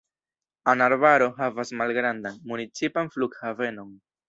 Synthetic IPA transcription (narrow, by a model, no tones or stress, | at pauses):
anaɾvaɾo̞ɦavasmalɡɾandanmunit͡sipanfluɡhave̞no̞n